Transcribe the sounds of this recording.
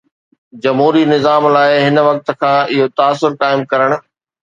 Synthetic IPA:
d͡ʑɐmɦuːɾinɪzaːmlaːɪɦɪnʋɐk̚t̪̆kʰãːʔɪɦot̪aːsːʊɾkaːɪmkɐɾəɽ̃̆

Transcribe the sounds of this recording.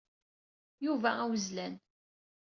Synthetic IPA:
juvææwəzlæn

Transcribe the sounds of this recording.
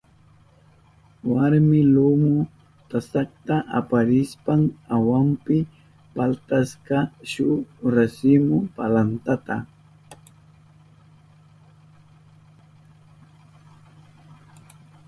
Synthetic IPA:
waɾmɪlʊmʊ | t̪asakt̪aʔapaɾɪspaŋawampɪ | palt̪askɑʃʊɾasɪmʊpalant̪at̪a̰

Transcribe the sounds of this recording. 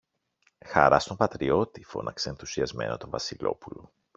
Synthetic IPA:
xɐɾɐst̪o̞mpɐt̪ɾio̞t̪ifo̞̰nʔɐkseːnθusiɐzme̞̰not̪o̞vɐsilo̞̰pulo

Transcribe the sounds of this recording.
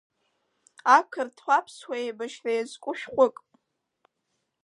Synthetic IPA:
akʰɨrtʰχʷapʰswajebaʃrajazkʷʼʊʃᶣχʷʼʊkʼ

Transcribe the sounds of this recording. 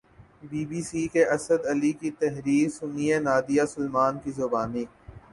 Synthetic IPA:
biːbiːsikeʔɐsəd̪ɐlikit̪ɛɦɾiːɾsʊnijenaːd̪ijasʊlmaːnkizʊbaːniː

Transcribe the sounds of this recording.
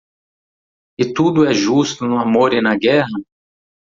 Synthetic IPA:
ɪt̪ud̪ʊɛʒust̪ʊnʊamoɾɪnɐɡɛɦɐ

